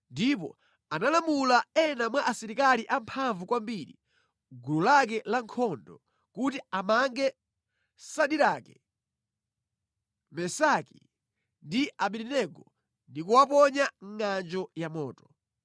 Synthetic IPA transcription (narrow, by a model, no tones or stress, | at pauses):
ndip̬ɔ̰ | analamulaɛnamwaʔasiɾikaliʔampʰaɱvukwambiɾḭ | ɡululak̬ɛlaŋkʰɔndɔ | kutiamaŋɡɛ | saɗiɾakɛ | mɛsakḭ | ndiaɓiɾinɛɡɔ | ndikuwap̬ɔɲaŋŋand͡ʒɔjamɔ̰ːtɔ̥